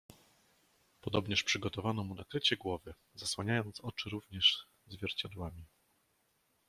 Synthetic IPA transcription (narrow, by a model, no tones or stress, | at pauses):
pɔd̪ɔbɲɛʂpʂɘɡɔt̪ɔvanɔmunakɾɘt͡ɕɛɡwɔvɘ | z̥aswaɲajɔnt̪sɔt͡ʂɘɾuvɲɛʂ | zvʲjɛɾt͡ɕad̪wamʲi